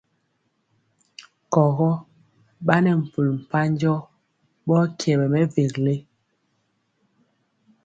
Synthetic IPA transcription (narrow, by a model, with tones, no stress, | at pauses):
kɔ˨ɣɔ˦ | ɓa˦nɛ˨m̩˨pu˨lm̩˨pa˦ɲd͡ʒɔ˦ | ɓɔ˦kjɛ˨ɓɛ˨mɛ˦ve˨kle˦